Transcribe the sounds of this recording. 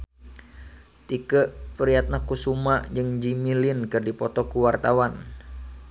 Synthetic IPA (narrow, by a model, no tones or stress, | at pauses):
t̪ikəʔpəɾiat̪̚nakusumaʔd͡ʒɨŋd͡ʒimilinkɨrdipɔt̪ɔkuwart̪awan